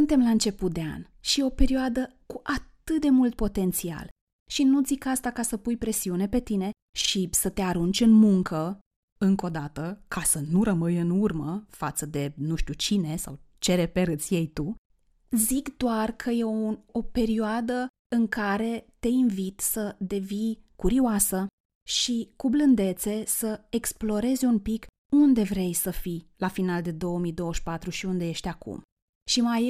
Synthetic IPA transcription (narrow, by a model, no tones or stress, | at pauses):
sunt̪e̞mlaɨnt͡ʃe̞put̪̚d̪e̞a̰n | ʃio̞pe̞ɾioad̪ə | kuʔat̪ɨt̪̚d̪e̞mult̪̚po̞t̪e̞nt̪sia̰l | ʃinut̪zikast̪akasəpujpɾe̞siune̞pe̞t̪ine̞ | ʃisət̪e̞aɾunt͡ʃʲɨnmuŋkʰə | ɨŋko̞d̪at̪əkasənuɾəmɨjɨnurməfat̪səd̪e̞nuʃt̪ut͡ʃine̞sa̰wt͡ʃe̞ɾepeɾɨt̪sʲje̞jt̪u | zikd̪oarkʰəjeo̞pe̞ɾioad̪ə | ɨŋkaɾe̞t̪e̞invit̪səd̪e̞vinkuɾioasə | ʃikublɨnd̪e̞t̪se̞səeksplo̞ɾe̞zʲumpik | und̪e̞vɾe̞jsəfilafinald̪e̞d̪o̞wəmid̪o̞wəʃpat̪ɾuʃiund̪e̞je̞ʃt̪ʲakṵm | ʃimaj